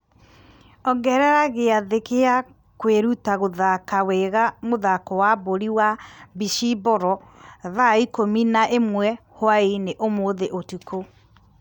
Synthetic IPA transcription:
ɔɡɛɾɛɾaɣeaðekea | kweɾutaɣoðakaweɣamoðakɔwaboɾiwabiʃibɔɾɔðaikominaʔemwɛ | hwaeneʔomoðeʔotukʰo

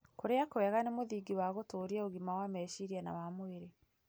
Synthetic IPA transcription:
koɾeakowɛɣanemoðiːɡiwaɣotoːɾiɛoɣimawamɛːʃiɾiɛna̰wamoeɾe

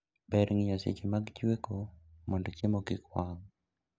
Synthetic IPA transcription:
bɛɾʔŋɲasḭd͡ʒimaɡd͡ʒwekomɔndot͡ʃemoɡɪkwaŋ

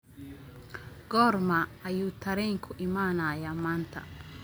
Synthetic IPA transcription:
ɡɔːrmɐɐjuːt̪ʰɐɾɛŋkʰʊʔɪmaːnaːjamaːnt̪ʰɐ̰

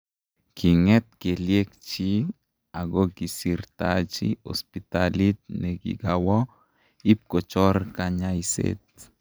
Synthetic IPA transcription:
kʰiŋɛt̪̚keljek̚t͡ʃi | aɡɔɡisiɾt̪at͡ʃḭɔ̰spit̪alit̪̚nɛɡḭɡawɔ | ip̚kot͡ʃɔrkaɲajsḛt̪̚

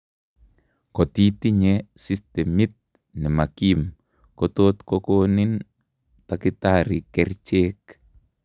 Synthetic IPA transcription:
kot̪it̪iɲesistemit̪̚ | nimakim | kot̪ot̪kokonin | t̪akit̪aɾikɛrt͡ʃek

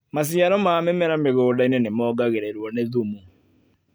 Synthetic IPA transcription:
mas̬iaɾɔmamɛmɛɾameɣoːdainenemɔːɡaɣeɾeɾwɔneðumu

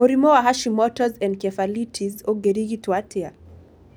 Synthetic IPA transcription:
uɾimɔwaɦaʃimɔtɔzɛ̃nd̚kɛfalitʰizɔɡɛɾiɣitwatia

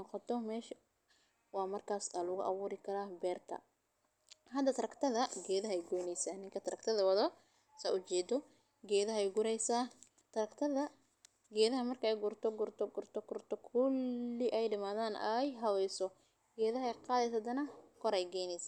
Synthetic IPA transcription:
nɔqɔt̪ʰɔmɛːʃ | wɑːmɐrkʰaːsɐlʊɣʊ̰ʔɑβuːɾɪkʰɐɾaːbɛːrt̪ʰɐ̰ | ɦɐd̪ɐt̪ʰɐɾɐkt̪ʰɐðɐɡɛːðɐɦɛjɡɔjnɛjsaːnɪŋkʰɐt̪ʰɐɾɐkt̪ʰɐðɐwɑðɔ | sɐ̰ʔʊt͡ʃɛːd̪ɔ | ɡɛːðɐɦɛjɡʊɾɛjsaː | t̪ʰɐɾɐkt̪ʰɐðɐ | ɡɛːðɐɦɐmɐrkʰɐɛjɡʊrt̪ʰɔɡʊrt̪ʰɔɡʊrt̪ʰɔɡʊrt̪ʰɔkʰʊlːɪʔɛjɖɐmaːðaːnɛjɦɐwɛjsɔ | ɡɛːðɐɦɛjqɑːðɛsɐd̪ɐnɐkʰɔɾɛjɡɛjnɛjsaː

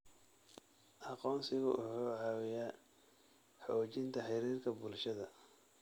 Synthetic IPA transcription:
ʔɑqɔːnsɪɣʊʔʊħuːʕɑːwɪjaː | ħɔːt͡ʃɪnt̪ʰɐħɪɾiːrkʰɐbʊlʃɐðɐ

